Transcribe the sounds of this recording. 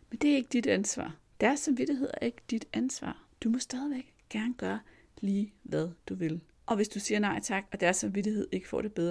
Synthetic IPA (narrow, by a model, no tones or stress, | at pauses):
mend̥e̝æɐe̝ɡ̥əd̥id̥ænsʋɑ̰̈ː | d̥æɐsːɑmʋid̥iɦe̝ð̰ˠɛɐe̝ɡ̥əd̥id̥ænsʋɑ̰̈ːd̥umɒ̽sd̥ɛːð̞ˠiʋeɡ̥ | ɡ̥æɐnəɡ̥ɶːɐ | liːʋæð̞ˠd̥uʋe̝l | ʔɒ̽ʋe̝sd̥usiːɐnɑ̈ɪ̰t͡sʰɑ̈ɡ̥ɒ̽d̥æɐsːɑ̈mʋidihe̝ð̞̰ˠe̝ɡ̥ə̥fɒ̰ːɾe̝b̥eðˠ